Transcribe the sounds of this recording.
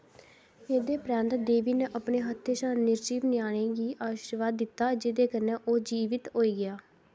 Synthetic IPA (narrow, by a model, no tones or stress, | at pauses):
eːd̪eːpɾɛ̃ːnt̪d̪eːʋiːneːʔəpɳeːɦət̪ʰːeːʃaːnɪɾd͡ʒiːpnɪjaːɽ̃ẽːɡiːʔaːʃiːɾʋaːd̪ːɪt̪ːaːd͡ʒɪd̪eːkəneːʔoːd͡ʒiːʋɪt̪ɦoːiːɡɪjaː